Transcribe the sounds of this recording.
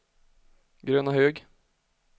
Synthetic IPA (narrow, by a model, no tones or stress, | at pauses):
ɡɾøːnahøːɡ